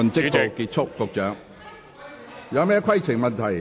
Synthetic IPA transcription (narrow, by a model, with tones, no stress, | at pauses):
ɵ˨˧nt͡sɪ˥kt̪o˧kiː˧t̚t͡ʃʰʊ˥kːʊ˨˧k̚t͡ʃœː˨˧˥ŋ | jɐ˨˧wmɛː˥kʰɐ˥jt͡sʰɪ˨˩ŋmɐ˨nt̪ʰɐ˨˩j